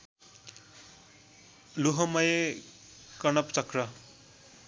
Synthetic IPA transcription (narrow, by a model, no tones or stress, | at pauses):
luɦʌmʌje | kʌnʌpt͡sʌkrʌ